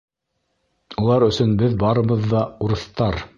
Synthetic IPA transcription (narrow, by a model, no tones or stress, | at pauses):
ulˠɑɾɵ̆sɵnbɘðbɑɾɤ̆βɤ̆ðːɑuɾɤ̆θt̪ɑɾ